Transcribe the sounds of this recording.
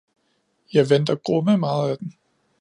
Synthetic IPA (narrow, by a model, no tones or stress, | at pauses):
jɑ̈ɪʋend̥ɐɡ̥ʁɔməmɑ̈ːð̞̩ˠæd̥en